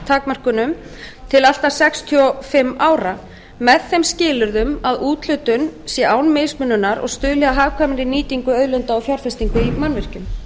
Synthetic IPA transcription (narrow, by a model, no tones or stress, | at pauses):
t̪ʰaːkmar̥kʏnʏmt̪ʰɪlal̥t̪asɛkst̪ʰiɔfɪmːaːwɾa | mɛðθɛjmscɪːlʏɾðʏmaðuːt̪lʏːt̪ʏnsjɛaːwnmejsmʏnːʏnːaɾɔ̰ɣst̪ʏːlɛðaɦaːvkʰvaːmaɾɪniːt̪iŋkʏœðlʏnt̪aɔfjawɾfɛst̪iŋkʏimanːvɪr̥cʏm